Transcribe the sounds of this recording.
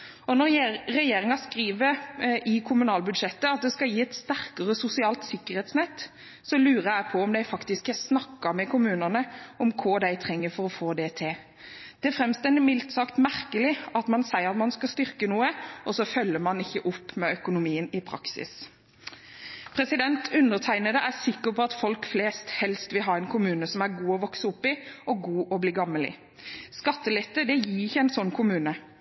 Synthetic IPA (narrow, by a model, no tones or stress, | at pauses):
ɔnɔɾɾɛjeːɾɪŋɑskɾiːʋəɾʔɪkʰʊmʉnɑːlbʉd̪ʂɛt̪ːəɑt̪̚d̪ɛskɑljiːɛt̪st̪æɾkəʁəsʊsɪɑːlt̪sɪkːəɾhɛːt̪snɛt̪ː | sɔlʉːɾəæɪpʰɔɔmd̪æɪfɑkt̪ɪskəsnɑkːəmɛkʰʊmʉːnənəɔmkʰʊd̪æɪt̪ʰʁɛŋːəfɔɾɔfoːd̪ɛt̪ʰɪ | d̪̥ɛæɾfɾɛmst̪ɛnd̪ɪmɪlt̪sɑkt̪mæʁkəlɪɑt̪mɑnsæɪəɾɑt̪mɑnskɑst̪ʏʁkənuːəʔɔsɔfœlːəmɑnɪçːəʔʊpːmɛœkʊnʊmiːənɪpʰɾɑ̰ksɪ̰s | pʰɾɛsɪd̪ɛnt̪ʰʉnːəʁt̪ʰæɪnəd̪əʔæsɪkːəpʰɔɑt̪fɔlkfleːst̪hɛlst̪ʋɪlɦɑːɛɪnkʰʊmʉːnəsɔmæɾɡuːɔʋɔksəʊpːɪɔɡuːʔɔbliːɡɑmːəlɪ̰ | skɑt̪ːəlɛt̪ːəd̪ɛjɪːɪçːəæɪnsɔnːkʰʊmʉːnə